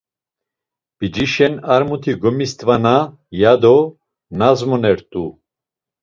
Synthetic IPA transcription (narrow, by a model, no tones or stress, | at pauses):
b̥id͡ʒiʃɛnaɾmut̪ʰiɡɔmist̪ʼvana | jad̪ɔ | nazmɔnɛɾt̪ʼu